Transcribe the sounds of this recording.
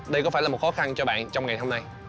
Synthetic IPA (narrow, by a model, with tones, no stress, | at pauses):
ɗə˧jkɔ˨˦faː˧˩jlaː˨˩m˨˩t̚xɔ˨˦xa˧nt͡ɕɔ˧ɓa̰ː˧˨nt͡ɕɔ˧wŋ͡mŋa˨˩jɦo˧mna˧j